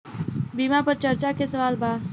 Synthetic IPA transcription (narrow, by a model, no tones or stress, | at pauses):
bimapəɾt͡ʃəɾt͡ʃakesəʋaːlbaː